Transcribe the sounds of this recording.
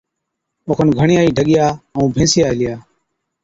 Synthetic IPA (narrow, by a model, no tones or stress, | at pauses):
oːkʰənɡʱəɳɪjaːiːɖʱəɠɪjaːəũːbʱẽːsɪjaːɪlɪjaː